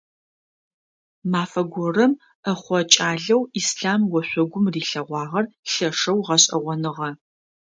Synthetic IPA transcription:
maːfɐɡʷɔrɐm | ɐχʷɔt͡ʃʼaːɮɐwiːsɬaːmwɔɕʷɔɡʷʊmriːɬɐʁʷɑːʁɐrɬɐʂɐwʁɐɕʼɐ̰ʁʷɔnɨʁɐ

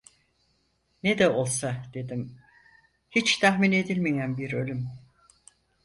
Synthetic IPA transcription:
ned̪ɛo̞lˠsad̪e̞d̪im | hit͡ʃt̪ʰaɦmine̞d̪ilʲmejænbiɾø̞lʲym

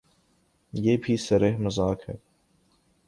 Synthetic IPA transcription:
jeːbʱisɐɾeɦmɐzaːkhɛ̰ː

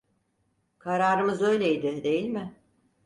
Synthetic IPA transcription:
kʰaɾaːɾɯmɯzø̞jlʲe̞jd̪ɪd̪e̞jilʲmɪ

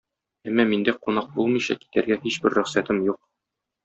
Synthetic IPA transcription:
æmːæmind̪æqunɑq̚bulˠmɤ̆jɕɑ̰ki̥t̪æɾɡæhiɕbɘɾːɵ̆χsæt̪ɘmjuq̚

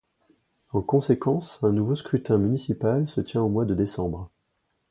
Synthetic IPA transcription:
ɑ̃kɔ̃sekɑ̃sɛ̃nuvoskχyt̪ɛ̃mynisipalsət̪jɛ̃omwad̪əd̪esɑ̃bʁ

